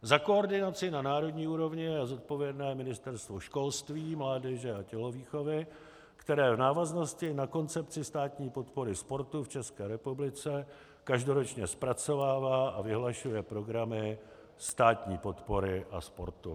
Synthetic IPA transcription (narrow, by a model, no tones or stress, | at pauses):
zakooɾdɪnat͡sɪnanaːɾo̞dɲiːuːɾo̞vɲɪazot̪̚po̞vjɛdnɛːmɪnɪst̪ɛɾst̪vo̞ʃko̞lst̪viːmlaːdɛʒɛacɛlo̞viːxo̞vɪ | kt̪ɛɾɛːvnaːvazno̞scɪnako̞nt͡sɛp̚t͡sɪst̪aːt̪ɲiːpo̞t̪po̞ɾɪspo̞ɾt̪uft͡ʃɛskɛːɾɛpublɪt͡sɛ | kaʒdo̞ɾot͡ʃɲɛspɾat͡so̞vaːvaːʔavɪɦlaʃujɛpɾo̞ɡɾamɪ | st̪aːt̪ɲiːpo̞t̪po̞ɾɪʔa̰spo̞̰ɾt̪ṵ